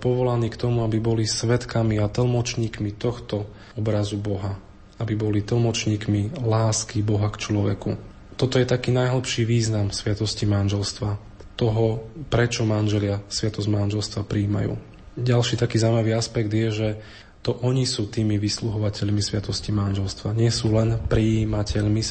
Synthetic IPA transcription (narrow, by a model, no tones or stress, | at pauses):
pɔʋɔlaniːkt̪ɔmuabibɔlisʋɛt̪kamiat̪l̩ˠmɔt͡ʃɲiːkmit̪ɔxt̪ɔ | ɔbɾazubɔɦa | abibɔlit̪l̩ˠmɔt͡ʃɲiːkmilaːskibɔɦakt͡ʃlɔʋɛ̰ku | t̪ɔt̪ɔjɛt̪akiːnajɦl̩pʃiʋiːznamsʋɪat̪ɔscimanʒɛlst̪ʋa | t̪ɔɦɔpɾɛt͡ʃɔmanʒɛlɪasʋɪat̪ɔzmanʒɛlst̪ʋapɾiːma̰jṵː | ɟalʃiːt̪akiːzaumaʋiːaspɛɡd̪jɛʒɛ | t̪ɔʔɔɲisuːt̪iːmiʋisluɦɔʋacɛʎmisʋɪat̪ɔscimanʒɛlst̪ʋaɲɪɛsuːlɛnpɾiiːmacʰɛʎmi